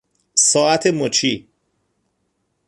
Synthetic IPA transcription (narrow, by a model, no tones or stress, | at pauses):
sɒːʔæt̪ʰemot͡ʃʰiː